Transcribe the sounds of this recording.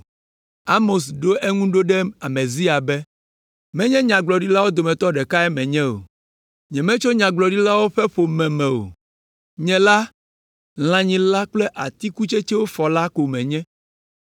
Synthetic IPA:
a˦mo˨sɖo˦ɛ˦ŋũ˦ɖo˦ɖɛ˦a˨mɛ̃˨zi˦a˨bɛ˦ | mɛ̃˦ɲɛ̃˦ɲã˨ɡ͡blɔ˨ɖi˦la˦wo˦d̪o˨mɛ̃˨t̪ɔ˦ɖɛ˨ka˦ɛ˦mɛ̃˨ɲɛ̃˦o̰˨ | ɲɛ̃˨mɛ̃˦t͡ʃo˦ɲã˨ɡ͡blɔ˨ɖi˦la˦wo˦ɸɛ˦ɸo˨mɛ̃˨mɛ̃˨o̰˨ | ɲɛ̃˨la˦ | l̃ã˨ɲĩ˨la˦k͡plɛ˦ʔa˨t̪i˦ku˦t͡ʃe˦t͡ʃɛ˦wo˦fɔ˨la˦ko˨mɛ̃˨ɲɛ̃˦

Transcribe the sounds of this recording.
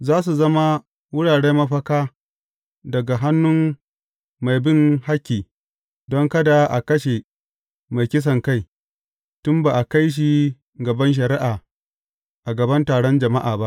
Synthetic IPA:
zaː˦s̬u˨zɐ˦ma˦ | wʊ˦ɽaː˨ɽeː˦mɐ˦ɸɐ˦kaː˦ | dɐ˨ɡa˨ɦa˦nːʊ˦m | ma˨jbɪ˦ŋha˦kʲːiː˨ | dɔ˦ŋkɐ˦da˨ʔa˨kɐ˦ʃe˨ | ma˨jkʲɪ˦s̬ɐ˨ŋka˦˨j | tʊ˦mbaː˨ʔa˨ka˦jʃ̬i˦ | ɡɐ˨bɐ˦nʃ̬ɐ˨ɾɪ˦ʔaː˨ | ʔa˨ɡɐ˨bɐ˦ntaː˨ɽɔ˦nd͡ʒɐ˨ma˦ʔaː˨ba˦ʔ

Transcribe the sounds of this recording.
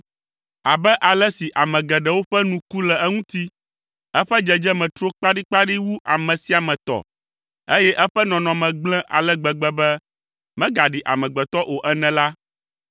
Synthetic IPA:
a˨bɛ˦ʔa˨lɛ˦si˨ʔa˨mɛ̃˨ɡɛ˨ɖɛ˨wo˦ɸɛ˦nũ˨ku˦lɛ˨ɛ˦ŋũ˦t̪i˦ | ɛ˦ɸɛ˦d͡ʒɛ˨d͡ʒɛ˦mɛ̃˨t̪ɾo˦k͡pa˦ɖi˦k͡pa˦ɖi˦wu˦ʔa˨mɛ̃˨si˨a˨mɛ̃˨t̪ɔ̰˨ | e˦jɛ˦ʔɛ˦ɸɛ˦nɔ̃˨nɔ̃˨mɛ̃˨ɡ͡blɛ̃˦ʔa̰˨lɛ˦ɡ͡bɛ˨ɡ͡bɛ˦bɛ˦ | mɛ̃˦ɡa˨ɖi˨ʔa̰˨mɛ̃˨ɡ͡bɛ˨t̪ɔ˦ʔo˨ʔɛ˦nɛ̃˨la˦

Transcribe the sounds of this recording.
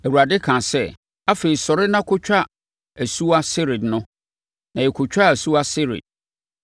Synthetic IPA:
æ˨wu˨ɾa˨dɪ˦kʰã˨sɛ˦ | a˦fe˨sɔ˨ɾɪ˦nã˦kʰʊ˦t͡ɕᶣa˦˨ | æ˨su˦a˦sɪ˦ɾɪ˨dnʊ̃˦ | nã˨jɛ˨kʰʊ˨t͡ɕᶣa˦˨æ˨su˦a˦sɪ˦ɾɪ̰˨d̥̚

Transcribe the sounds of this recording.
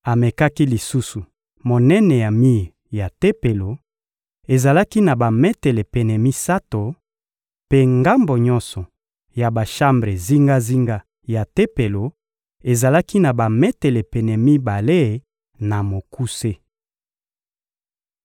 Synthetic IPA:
a˨me˨ka˦ki˦li˨su˦su˨ | mo˨nɛ˦nɛ˨ja˨mi˦˨ | ja˨te˦pe˨lo˨ | e˨za˨la˦ki˦na˨ba˨mɛ˦tɛ˨le˨pe˨nɛ˨mi˦sa˦to˨ | pe˦ŋɡa˦mbo˨ɲɔ˦nsɔ˨ | ja˨ba˨ʃa˦mbʁe˨zi˦ŋɡa˦zi˦ŋɡa˦ | ja˨te˦pe˨lo˨ | e˨za˨la˦ki˦na˨ba˨mɛ˦te˨le˨pe˨nɛ˨mi˦ba˨le˦˨ | na˨mo˨ku˦se˦

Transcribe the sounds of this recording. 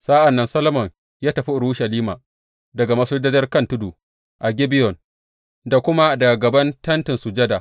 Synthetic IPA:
saː˦ʔa˨nːɐ˦nsɐ˦lmɔ˨ŋ | jaː˦tɐ˨ɸi˦ʔʊ˨ɽuː˦ʃɐ˨liː˦maː˨ | dɐ˨ɡa˨mɐ˦sʊ˦dɐ˦d͡ʒɐ˦rkɐ˦ntʊ˦du˨ | ʔa˨ɡʲɪ˦bɪ˦jɔ˨n | da˨kʷʊ˦ma˦dɐ˨ɡa˨ɡɐ˨bɐ˦ntɐ˦ntɪ˨nsu˨d͡ʒɐ˦da˨

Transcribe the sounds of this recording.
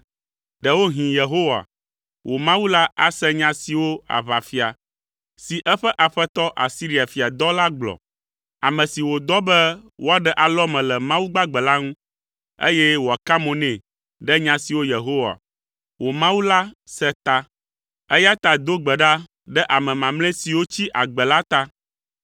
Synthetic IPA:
ɖɛ˨wo˦ɦĩ˨je˨ɦo˦wa̰˨ | wʔo˨mã˦wu˦la˦a̰˦sɛ˦ɲã˦si˨wo˦a̰˨βa˨fi˦a˨ | si˨ʔɛ˦ɸɛ˦ʔa˨ɸɛ˦t̪ɔ˦ʔa˨si˦ɾi˦a˨fi˨a˨d̪ɔ˦la˦ɡ͡blɔ̰˨ | a˨mɛ̃˨si˨wo˨d̪ɔ˦bɛ˦wo˦a˨ɖɛ˨ʔa˨lɔ˦mɛ̃˨lɛ˨mã˦wu˦ɡ͡ba˦ɡ͡bɛ˨la˦ŋũ˦ | ḛ˦jɛ˦wo˨a˨ka˦mõ˨nɛ̃˨ | ɖɛ˦ɲã˨si˨wo˦je˨ɦo˦wa̰˨ | wo˨mã˦wu˦la˦sɛ˦t̪a˦ | ɛ˦ja˦t̪a˨d̪o˦ɡ͡bɛ˨ɖa˦ | ɖɛ˦ʔa˨mɛ̃˨mã˨mlɛ̃˦si˨wo˦t͡ɕi˦ʔa˨ɡ͡bɛ˨la˦t̪a˦

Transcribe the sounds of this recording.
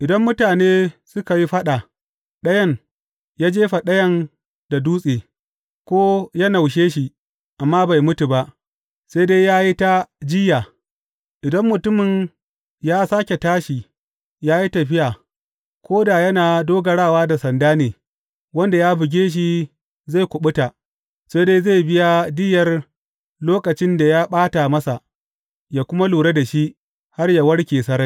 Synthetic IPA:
ʔɪ˨dɐ˦mːʊ˦taː˨neː˦sʊ˦ka˨ji˦ɸɐ˦ɗa˨ | ɗɐ˦jɐ˦˨ŋ | jaː˦d͡ʒeː˦ɸa˨ɗɐ˦jɐ˦n | da˨duː˦sʼeː˨ | kʷoː˦ja˦na˨wʃ̬eː˦ʃi˨ | ʔa˨mːaː˦ba˨jmʊ˦tu˨ba˦ʔ | sa˦deː˦jaː˦ji˦ta˦d͡ʒɪ˦jaː˨ | ʔɪ˨dɐ˦mːʊ˨tʊ˦mɪ˨ɲ | jaː˦saː˦kʲe˨taː˦ʃi˨ | jaː˦ji˦tɐ˨ɸɪ˦ja˨ | kʷoː˦daː˨jɐ˦naː˨doː˦ɡɐ˨ɽaː˦˨waː˦da˨sɐ˨ndaː˦neː˨ | wɐ˦nda˨jaː˦bɪ˨ɡʲeː˦ʃ̬i˦ | za˦˨kʷʊ˨ɓʊ˦ta˨ | se˦deː˦za˦˨bɪ˦ja˨dɪ˦jɐ˨r | loː˦kɐ˨t͡ʃɪ˦nda˨jaː˦ɓaː˦ta˨mɐ˦sa˨ | jaː˨kʷʊ˦ma˦luː˨ɽe˦da˨ʃi˦ʔ | ha˦rja˨wɐ˦ɽkʲeː˨sɐ˦ɾɐ˦j

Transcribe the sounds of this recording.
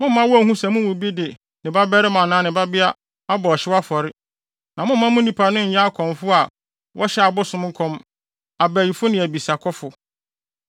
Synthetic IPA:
mʊ̃˦m̩ː˦ã˦wɔ˦æ˨hũ˦sɛ˨mʊ̃˦wʊ̃˨bi˦dɪ˨ | nɪ̃˨ba˦bɛ˦ɾɪ˦mã˨nãː˨˦nɪ̃˨ba˦bɪ˦a˦ | a˦bɔ˨ɔ˨ɕɪ˦wa˦fɔ˨ɾɪ˦ | nã˨mʊ̃˦m˦mːã˦mʊ̃˦nĩ˨pʰa˨nʊ̃˦ɲ̩˨ja˦a˦kʰɔ̃˨mfʊ˦a˨ | wʔɔ˦ɕɛ˦a˨bʊ˦sʊ̃˦m˦ŋ̩˦kʰɔ̃˦m | a˨bæ˨ji˨fʊ˦nɪ̃˨æ˨bi˨sa˨kʰɔ˦fʊ˨

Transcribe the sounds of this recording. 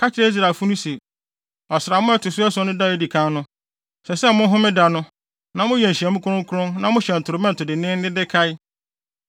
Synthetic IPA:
kʰa˦t͡ɕʰɪ˦ɾe˦i˦s̬ɾa˨fʊ˦nʊ̃˦si˨ | ɔ˨sɪɾa˨mʊ̃˦ɛ˦tʰʊ˨sʊ˦ɛ˦sʊ̃˦nʊ̃˦da˦˨e˨˦di˨kʰã˦nʊ̃˦ | sɛ˨sɛ˦mʊ̃˦n˦ɦʊ̃˦mɪ̃˦da˨nʊ̃˦ | nã˨mʊ̃˦jɛ˨n̩˨ɕɛ˨mʊ̃˦kʰʊ˦ɾʊ̃˦ŋ˦kʰʊ˦ɾʊ̃˦nnã˨mʊ̃˦ɕɛ˨n̩˨tʰʊ˨ɾʊ˨mɛ̃˦n̩˨tʰʊ˨dɪ˨nɪ̃˦n˦nɪ̃˦dɪ˦kʰa˦ɪ˦

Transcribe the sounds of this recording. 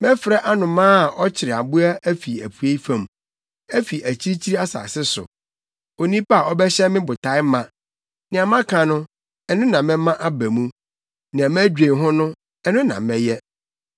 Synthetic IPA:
mɛ̃˦fɾɛ˦ʔa˦nʊ̃˨mãː˦˨ɔ˦t͡ɕʰɪ˨ɾɪ˨a˨bu˦a˦ʔæ˦fi˨æ˨pʰu˨e˦i˦fã˨m | æ˦fi˨ʔæ˨t͡ɕʰi˦ɾi˦t͡ɕʰi˦ɾi˦a˦sa̰ː˨sɪ˦sʊ̰˨ | o˨nĩ˦pa˦a˨ɔ˦bɛ˦ɕɛ˦mɪ̃˦bʊ˨tʰa˨˦ɪ˦mã˨ | nɪ̃˨a˨mã˦kʰã˨nʊ̃˦ | ɛ˨nʊ̃˦nã˨mɛ̃˦mã˦ʔa˦bæ˨mũ˦ | nɪ̃˨ã˨mæ˦d͡ʑᶣẽ˨ɦɔ̃˦nʊ̃˦ | ɛ˦˨nʊ̃˦nã̰˨mɛ̃˦jɛ˦

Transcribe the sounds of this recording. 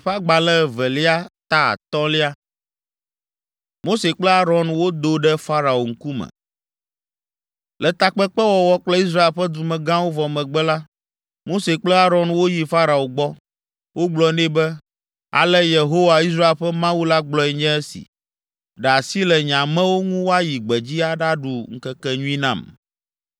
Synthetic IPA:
ɸa˦ɡ͡ba˨lɛ˦˨vɛ˨li˦a˦t̪a˦a̰˨t̪ɔ˦li˦a˦ | mo˦se˨k͡plɛ˦a˦ɾɔ̃˨nwo˦d̪o˦ɖɛ˦fa˦ɾa˨o˨ŋ̩˦ku˦mɛ̰̃˨ | lɛ˨t̪a˨k͡pɛ˦k͡pɛ˦wɔ˨wɔ˦k͡plɛ˦i˦s̬ɾa˦e˨lɸɛ˦d̪u˨mɛ̃˨ɡã˦wo˦vɔ˨mɛ̃˨ɡ͡bɛ˦la˦ | mo˦se˨k͡plɛ˦a˦ɾɔ˨nwo˦ji˨fa˦ɾa˨o˨ɡ͡bɔ˦ | wo˦ɡ͡blɔ˨nɛ̃˦bɛ˦ | a̰˨lɛ˦je˨ɦo˦wa˨i˦s̬ɾa˦e˨lɸɛ˦mã˦wu˦la˦ɡ͡blɔ˨ɛ˨ɲɛ̃˦ɛ˦sḭ˨ | ɖɛ˨a˨si˦lɛ˨ɲã˨mɛ̃˦wo˦ŋũ˦wo˦a˦ji˨ɡ͡bɛ˨d͡ʑi˦a˦ɖa˦ɖu˨ŋ̩˦kɛ˦kɛ˦ɲũ˦ĩ˦nã̰˦˨m

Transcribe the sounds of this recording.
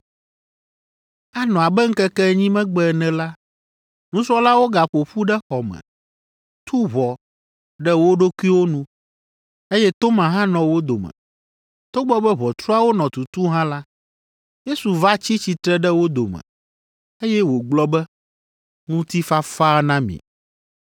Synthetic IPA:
a˦nɔ̃˨a˨bɛ˦ŋ̩˦kɛ˦kɛ˦˨ɲĩ˦mɛ̃˦ɡ͡bɛ˦˨nɛ̃˨la˦ | nũ˦sɔ˦la˦wo˦ɡa˨ɸo˨ɸu˦ɖɛ˦xɔ˨mɛ̰̃˨ | t̪ʰu˦βɔ˨ | ɖɛ˦wo˦ɖo˦kʷu˦i˦wo˦nũ˦ | e˦jɛ˦t̪o˦mã˨ɦã˦nɔ̃˨wo˦d̪o˨mɛ̰̃˨ | t̪o˦ɡ͡bɔ˦bɛ˦βɔ˨t̪ɾu˦a˦wo˦nɔ̃˨t̪u˨t̪u˦ɦã˦la˦ | je˦su˨va˦t͡ɕi˦t͡ɕi˨t̪ɾɛ˦ɖɛ˦wo˦d̪o˨mɛ̰̃˨ | e˦jɛ˦wo˨ɡ͡blɔ˦bɛ˦ | ŋũ˦t̪i˦fa˦fa˦nã˦mḭ̃˨

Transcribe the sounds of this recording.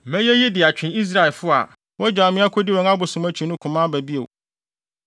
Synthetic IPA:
mɛ̃˦jɛ˦ji˦dɪ˨a˨t͡ɕᶣɪ̃˨ni˦s̬ɾa˦ɛ˨lfʊ˦a̰˨ | wɔ˦d͡ʑᶣa˨mɪ̃˦a˦kʷʰo˦dɪ˦wɛ̃˨˦ŋ˦a˦bʊ˨sʊ̃˨mæ˦t͡ɕʰi˨nʊ̃˦kʰʊ̃˨mã˦bæ˨bi˦ḛ˨w

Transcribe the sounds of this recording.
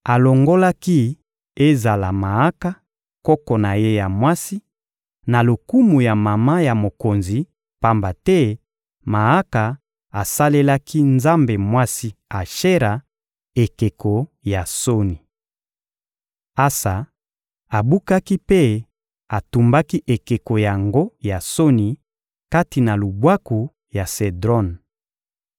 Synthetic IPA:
a˨lo˨ŋɡo˦la˦ki˦ | e˦za˨la˨ma˨a˦ka˦ | kɔ˦kɔ˨na˨je˦ja˨mwa˦si˦ | na˨lo˨ku˦mu˨ja˨ma˨ma˦ja˨mo˨ko˨nzi˨ | pa˦mba˨tɛ˦ | ma˨a˦ka˨ | a˨sa˦le˦la˦ki˦nza˦mbe˨mwa˦si˦a˨ʃe˦ɾa˨ | e˨ke˨ko˨ja˨so˦ni˨ | a˦sa˨ | a˨bu˦ka˦ki˦pe˦ | a˨tu˨mba˦ki˦ʔe˨ke˨ko˨ja˨ŋɡo˦ja˨so˦ni˨ | ka˦ti˨na˨lu˨bwa˦ku˨ | ja˨se˨dʁɔ˦n

